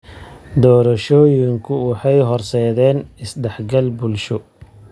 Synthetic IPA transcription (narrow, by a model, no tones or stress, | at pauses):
d̪ɔːɾɐʃɔːjɪŋkʰʊwʊħɑjɦɔrsɛːðɛːnɪsd̪ɛħɡɐlbʊlʃɔ